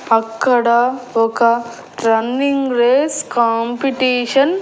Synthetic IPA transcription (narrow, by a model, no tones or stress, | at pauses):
pɐkːɐɽɐɔkɐ | ɾɐnːiŋɡɾeːskaːmpiʈiːʂɐn